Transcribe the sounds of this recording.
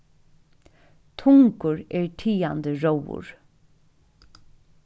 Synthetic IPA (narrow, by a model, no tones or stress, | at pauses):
t̪ʰʊŋkʊɹɛːɹʈʰiːand̪əɹowʊ̰ɹ